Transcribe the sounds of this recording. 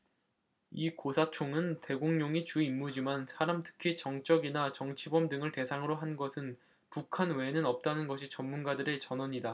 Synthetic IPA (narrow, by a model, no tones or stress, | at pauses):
ikosʰat͡ɕʰoŋɯnte̞ɡoŋɲoŋit͡ɕuimːud͡ʑimansʰaɾamtʰɯ̥kʰit͡ɕʌŋt͡ɕ͈ʌɡinat͡ɕʌŋt͡ɕʰibʌmdɯŋɯɭte̞sʰaŋɯɾoɦanɡʌsʰɯn | pukʰanwe̞nɯnʌp̚t͈anɯnɡʌɕʰit͡ɕʌmːunɡadɯɾe̞t͡ɕʌnʌɲida